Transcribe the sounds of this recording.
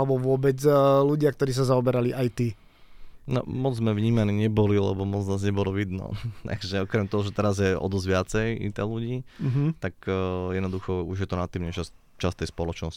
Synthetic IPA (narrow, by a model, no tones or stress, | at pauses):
lɛbɔʋʊɔbɛd͡zluɟɪakt̪ɔɾiːs̬azaɔbɛɾaliʔajt̪i | nɔ̰mɔd͡zzmɛʋɲiːmaniɲɛbɔlilɛ̰bɔmɔd͡znaːzɲɛbɔlɔʋid̪nɔ̰t̪a̰ɡʒɛɔkɾɛmt̪ɔɦɔʒɛt̪ɛɾazjɛɔ̰d̪ɔzʋɪat͡sɛjḭt̪ɛ̰luɟiːɦt̪akːjɛd̪nɔd̪uxɔuʒjɛt̪ɔnat̪ːiːmɲɛʃas | t͡ʃast̪ɛjspɔlɔt͡ʃnɔsci̥